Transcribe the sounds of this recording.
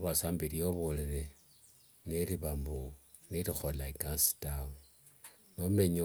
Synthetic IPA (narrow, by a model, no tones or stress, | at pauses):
βasaːmbiɾjoβoleɾe | neɾiβambu | niɾixolaikasi̥tawu | nome̞ɲo